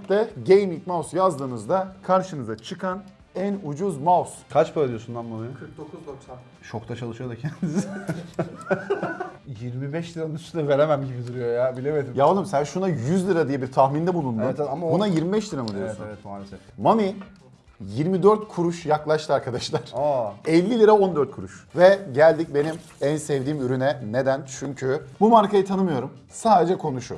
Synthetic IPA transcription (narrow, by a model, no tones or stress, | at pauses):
t̪ːɛɟejmic̚mawsjazd̪ɯːnɯzd̪akʰaɾʃɯnɯzat͡ʃʰɯkʰan | ænud͡ʒuzmawskʰat͡ʃpʰaɾad̪ijosund̪anmanikk̪̚ok̪ʰ | ʃʰo̞kt̪ʰat͡ʃʰalˠɯʃɯjod̪acʰɛnd̪iz | jiɾmibɛʃlʲiɾamɯnyst̪ynɛve̞ɾemæmɟibid̪uɾujojabilʲemed̪imjavalˠɯmsænʃunajyzlʲiɾad̪ijɛbiɾt̪ʰaxmind̪ɛbulˠund̪uamabunajiɾmibɛʃlʲiɾamɯd̪ijoɛsunvɛt̪maːlesɛ | mami | jiɾmid̪øɾt̪̚kʰuɾuʃjaklˠaʃt̪ʰɯaɾkʰad̪aʃlˠaɾ̥aɛlʲːilʲiɾao̞nd̪øɾt̪̚kʰuɾuʃvɛɟælʲd̪ic̚be̞nim | ænsɛvd̪iːmyɾynɛne̞d̪ænt͡ʃʰyɲcʰybumaɾkʰajɯt̪ʰanɯmɯjo̞ɾum | saːd̪e̞d͡ʒɛkʰo̞nuʃu